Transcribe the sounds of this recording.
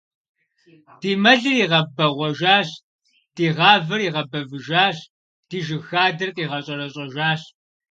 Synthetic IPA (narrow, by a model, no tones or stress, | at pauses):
d̥iːmɐɮɨriːʁɐbɐʁʷɔʒaːɕ | d̥iːʁɑːvɨɾiːʁɐbɐvɨʒaːɕ | d̥iːʒɨxaːdɐrqʼiːʁɐɕʼɐɾɐɕʼɐʒaːɕ